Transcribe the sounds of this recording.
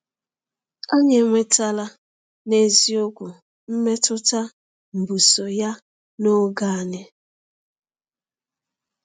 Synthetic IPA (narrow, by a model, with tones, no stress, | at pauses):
a˦ɲe˨ŋʷe˦ta˦la˦ | ne˦zi˦ʊ˦kʷʊ˨ | m̩˦me˦tʊ˦ta˦ | m̩˨bu˨so˨ja˦ | no˦ɡa˦a˨ne˦